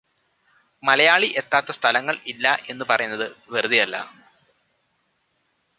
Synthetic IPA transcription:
mɐlɐjaːɭiʔe̞t̪ːaːt̪ːɐst̪ʰɐlɐŋːɐɭilːɐʔe̞nːɨpɐrɐjunːɐðɨʋerɨd̪ijɐlːɐ̰

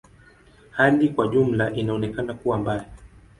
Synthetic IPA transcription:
halikwaʄum̩laʔinaɔnɛkanakuwambala

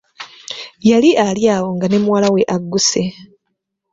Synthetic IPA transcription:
jaliʔaljaːwo̞ŋɡane̞muwalawe̞ʔaɡːuse

